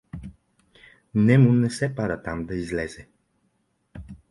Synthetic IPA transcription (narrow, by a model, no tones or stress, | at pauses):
nɛmunɛsɛpad̪ət̪amd̪ɐizlɛzɛ